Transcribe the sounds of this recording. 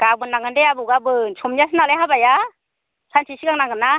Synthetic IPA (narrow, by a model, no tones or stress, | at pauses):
ɡ̥abɯnːaŋɯndeabuɡabɯnsʰɔmnias̬ʰɯnalajɦabaja | sʰant͡ʃʰisiɡaŋnaŋɡɯna